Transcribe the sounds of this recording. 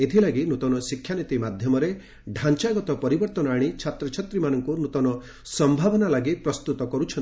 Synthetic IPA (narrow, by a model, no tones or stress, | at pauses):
et̪ʰilaɡinut̪ɔnɔsikʰːjanit̪imad̪ʱjɔmɔɾe | ɖʱant͡ʃaɡɔt̪ɔpɔɾibɔɾt̪ɔnɔaɽ̃it͡ʃʰat̪ɾɔt͡ʃʰɔt̪ɾimanɔŋkunut̪ɔnɔ | sɔmbʱabɔnalaɡipɾɔst̪ut̪ɔkɔɾut͡ʃʰɔn